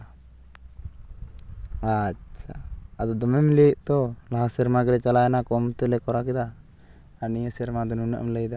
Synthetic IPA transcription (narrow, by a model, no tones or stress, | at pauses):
aʃʰaːd̪ɔd̪ɔmɛmleʔt̪ɔlaɦasɛɾmaɡɛɾɛt͡ʃalajɛnakɔmt̪ɛlɛkɔɾakɛd̪aː | nijəsɛɾmad̪ɔnunə̰ʔmləjd̪a